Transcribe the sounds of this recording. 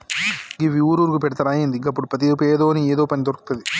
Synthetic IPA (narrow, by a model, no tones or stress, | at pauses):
ɡiʋiuːɾuːɾukupɛɽɐt̪ɐɾaːjend̪iɡɐpːuɽupɾɐt̪ipeːd̪oːnieːd̪oːpɐnid̪oɾɐku̥t̪ɐd̪i